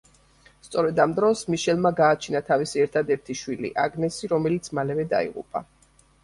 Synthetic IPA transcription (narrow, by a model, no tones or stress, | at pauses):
st̪sʼɔɾɛd̪amd̪ɾɔsmiʃɛlˠmaɡaːt͡ʃʰinat̪ʰavisiɛɾt̪ʰad̪ɛɾt̪ʰiʃwilḭʔa̰ɡnɛsiɾɔmɛlit̪sʰmalɛvɛd̪a̰ḭʁṵpʼa̰